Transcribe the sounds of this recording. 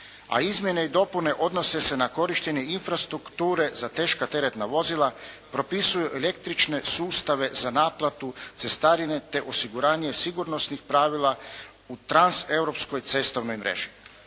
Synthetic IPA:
a̰izmje̞neid̪o̞pune̞ʔo̞d̪no̞se̞se̞nako̞ɾiʃt̪e̞ɲe̞infɾast̪ɾukt̪uːɾe̞zat̪eːʃkat̪e̞ɾet̪naʋo̞zilˠapɾo̞pisujuʔele̞k̚t̪ɾit͡ʃne̞suːst̪aʋe̞zanaːplˠat̪ut̪se̞st̪aːɾine̞t̪e̞ʔo̞siɡuɾaːɲe̞siɡuɾno̞snixpɾaːʋilˠa | ut̪ɾanse̞wɾo̞psko̞jt̪se̞st̪oʋno̞jmɾḛʒ̥i̥

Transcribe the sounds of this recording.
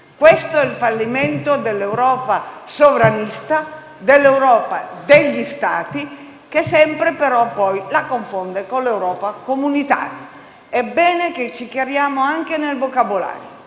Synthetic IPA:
kwest̪oɛlfalːiment̪od̪elːewɾɔːpasovɾanist̪a | d̪elːewɾɔːpad̪eʎːist̪a̰ːt̪i | kesɛmpɾepeɾɔpːɔjlakoɱfond̪ekonlewɾɔːpakomunit̪a̰ːɾja | ɛbːɛːneket͡ʃːikjaɾjaːmoaŋkenelvokabola̰ːɾjo

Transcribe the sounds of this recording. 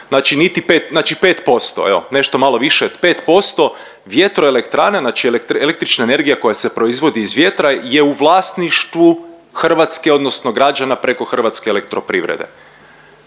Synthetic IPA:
nat͡ʃinit̪ipeːt̪nat͡ʃipe̞ːt̪po̞st̪o̞̰ḛo̰ne̞ʃt̪o̞malo̞ʋiʃepe̞ːt̪po̞st̪o | ʋje̞t̪ɾoelekt̪ɾaːnenaːt͡ʃielekt̪elek̚t̪ɾit͡ʃnaene̞ɾɡijako̞jasepɾo̞izʋo̞d̪iːzʋje̞t̪ɾaje̞uʋlˠaːst̪niʃt̪ʋu | xr̩ʋat̪ske̞o̞d̪nosnoɡɾad͡ʒanapɾe̞ko̞xr̩ʋat̪skeelek̚t̪ɾo̞pɾiʋɾḛd̪e̞̰

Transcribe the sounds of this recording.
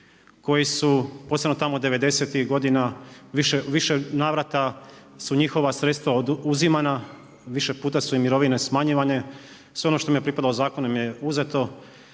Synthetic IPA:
ko̞jisupoːse̞bnot̪amod̪e̞ʋe̞d̪e̞se̞t̪ixɡo̞d̪inaʋiʃeʋiʃe̞naːʋɾat̪a | suɲixo̞ʋasɾet̪st̪ʋauzimana | ʋiʃe̞puːt̪asuimiɾo̞ʋine̞smaɲiʋaɲe | sʋeo̞noʃt̪omijepɾipad̪alozaːko̞nomije̞uze̞t̪o̞

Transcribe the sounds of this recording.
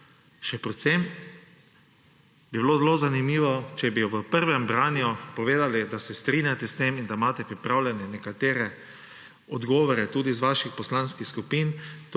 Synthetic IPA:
ʃɛpɾɛt̪sem | biblozlozanimiːʋɔt͡ʃɛbijɔʋəpəɾʋɛmbɾaːnjupɔʋeːd̪alid̪asɛst̪ɾinjat̪ɛst̪emind̪amaːt̪ɛpɾipɾaːwlʲjɛnɛnɛkat̪eːɾɛ | ɔd̪ɡɔːʋɔɾɛt̪uːd̪izʋaʃixpɔslanskixskupint̪

